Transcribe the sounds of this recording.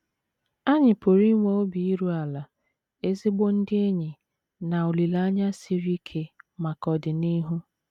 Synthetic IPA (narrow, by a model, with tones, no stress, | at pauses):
a˦ɲɪ˨po˨ɾi˦ŋʷe˨˦o˦bi˨i˦ɾu˦a˨la˨ | e˦zi˦ɡ͡bo˦n̩˦dɪ˦e˦ɲɪ˨ | na˨o˨li˨la˦ɲa˦si˨ɾi˦kʰe˦ma˨kɔ˨dɪ˨ni˦ɦu˦